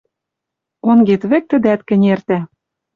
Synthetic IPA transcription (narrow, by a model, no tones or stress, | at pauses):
onɡet̪βɘ̆k̚t̪ɘ̆d̪æt̪kɘ̆nʲert̪æ